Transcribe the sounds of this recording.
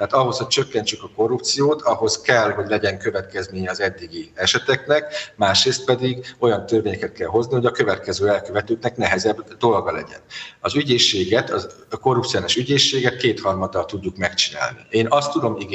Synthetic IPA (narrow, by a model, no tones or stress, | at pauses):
t̪ɛaːt̪ɒɦo̞sho̞c̚t͡ʃøkːɛnt͡ʃykɒko̞rːupt̪sijoːt̪ʰɒɦo̞skɛlɦo̞ɟlɛɟɛŋkø̞vɛt̪kɛzmeːɲɛɒzɛd̪ːiɡiɛʃɛt̪ɛknɛkmaːʃreːst̪̚pɛd̪iɡo̞jɒnt̪ørveːɲɛkɛt̪̚kɛlɦo̞zniho̞ɟɒkø̞vɛt̪̚kɛzøːɛlkøvɛt̪øːt̪nɛknɛɦɛzɛbd̪o̞lɡɒlɛ̰ɟɛ̰nɒzyɟeːʃːeːɡɛt̪ɒ | ko̞rːupt̪sionaʃyɟeːʃːeːɡɛt̪̚keːt̪hɒrmɒd̪ːɒlt̪uɟːukmɛkt͡ʃina̰ːlnḭeːnɒst̪ːud̪o̞miɡ